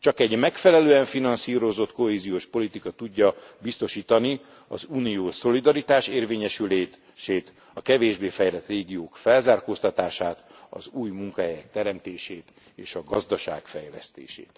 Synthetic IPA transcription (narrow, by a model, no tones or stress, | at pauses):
t͡ʃɒkɛɟmɛkfɛlɛløːɛɱfinɒnsiːɾo̞zo̞t̪ko̞ɦeːzijoːʃpo̞lit̪ikɒt̪uɟːɒbist̪o̞ʃiːt̪ɒni | ɒ̰zuːnijoːso̞lid̪ɒɾit̪aːʃeːrveːɲɛʃyleː | ʃeːt̪ | ɒkɛveːʒbeːfɛjlɛt̪reːɡijoːkfɛlzaːrkoːst̪ɒt̪aːʃaːt̪ɒ̰zuːjmuŋkɒɦɛjɛk̚t̪ɛɾɛmt̪eːʃeːt̪ | eːʃɒɡɒzd̪ɒʃa̰ːkfɛjlɛ̰st̪ḛːʃḛːt̪